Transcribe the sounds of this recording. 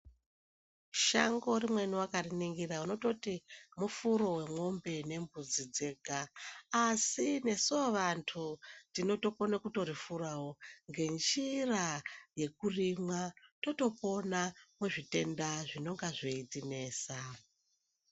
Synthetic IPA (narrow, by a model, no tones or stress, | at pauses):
ʃaŋɡo̞rimwe̞nuwakariniŋɡirauno̞to̞timufuɾo̞we̞mo̞mbe̞ne̞mbud͡zid͡ze̞ɡʱaː | sine̞soʋantʰutino̞to̞po̞nakuto̞ɾifurawo̞ŋɡe̞nd͡ʒiraje̞kurimwato̞to̞po̞namweʐite̞ndaʐino̞ŋɡaʐoitine̞ːsa